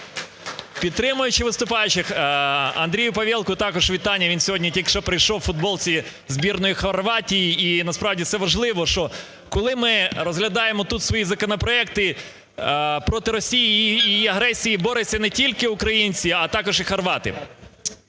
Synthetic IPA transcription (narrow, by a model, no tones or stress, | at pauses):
pʲid̪t̪ːɾɪmʊjʊt͡ʃɪʋɪst̪ʊpɑjʊt͡ʃɪxɐ̰nd̪ɾʲijʊpɐʋʲilˠkʊt̪ɑkɔʒʋʲit̪ɑnʲːɐʋʲinsʲɔɦɔdʲnʲitʲikʃt͡ʃɔpɾɪjʃɔwfʊd̪̚bɔlˠt͡sʲi | zbʲirnɔjixɐrʋɑtʲijiːnɐspɾɑʋdʲifsɛʋɐʒlˠɪʋɔʃt͡ʃɔ | kɔlˠɪmɪɾɔzɦlʲɐd̪ɑjemɔt̪ut̪sʋɔjizɐkɔnɔpɾɔɛk̚t̪ɪ | pɾɔt̪ɪɾɔsʲijijːɐɦɾɛsʲijibɔɾesʲɐnɛtʲilʲkɪʊkɾɐjinʲt͡sʲiɐt̪ɑkɔʒixɐrʋɑt̪ɪ̰